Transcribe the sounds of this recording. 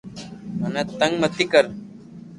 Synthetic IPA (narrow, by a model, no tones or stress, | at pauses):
mənat̪ə̃ŋɡmət̪ikəɾ